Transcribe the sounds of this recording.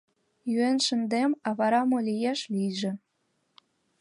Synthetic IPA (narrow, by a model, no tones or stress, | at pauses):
jyenʃə̆nd̪emɑβɑɾɑmolʲijeʃlijʒĕ